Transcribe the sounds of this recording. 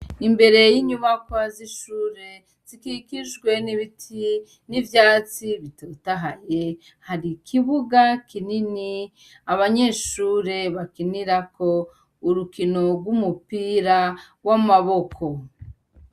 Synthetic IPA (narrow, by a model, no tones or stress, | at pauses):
imbe̞ɾe̞jiɲuβakwaziʃuːɾe̞ | z̥ikikiʒɡwe̞niβitʰi | nivjaːt͡siβitotaɦaje | haɾikʰiβuɡakʰinini | aβaɲe̞ːʃuːɾe̞βakiniɾako̞ | uɾukino̞ɾɡwumupiːɾa | wamaβo̞kʰo